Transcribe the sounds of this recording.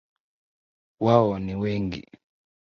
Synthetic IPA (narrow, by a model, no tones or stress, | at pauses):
waɔniwɛŋɡḭ